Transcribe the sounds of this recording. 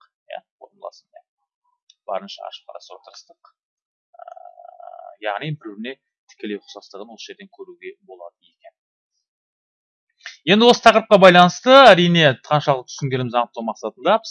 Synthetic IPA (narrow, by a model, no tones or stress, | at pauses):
jæ̰ot̪mlˠɑ̰səmja | b̥ɑ̰ɾənʃɑ̰ɑ̰ʃə̥p̚qɑ̰ɾɑ̰sot̪əɾəst̪əq | ə̰ | jɑʁnijbɪɾbɪɾne̞ | t̪ʰɪ̥kʲe̞lewqʰʊ̥sɑst̪əʁənwo̞sə̥ʒe̞ɾd̪e̞ŋkʲʰɵɾuɡʲe̞bo̞lˠɑd̪əe̞kʲe̞n | je̞nd̪ɪwo̞sət̪ʰɑqəɾəp̚qɑbɑjlˠɑnəst̪əæɾijne̞t̪ʰɑnʃɑət̪ʰʏ̥sɪŋɡʲe̞lɪmɪzɑɴət̪ːɑwmɑqsɑt̪ənd̪ɑp